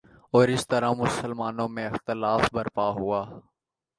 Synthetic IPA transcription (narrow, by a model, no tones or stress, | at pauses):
ɔːɾɪst̪əɾãːmʊsəlmaːnõːmẽːɪxt̪ɪlaːfbəɾpaːɦʊaː